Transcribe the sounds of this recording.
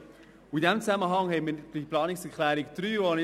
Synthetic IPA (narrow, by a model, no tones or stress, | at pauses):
ʊidɛmt͡sæməɦɑŋhɛmid̥iplɑːnɪksɛkʰlɛːɾɪkd̪̥ɾyːɔnɪ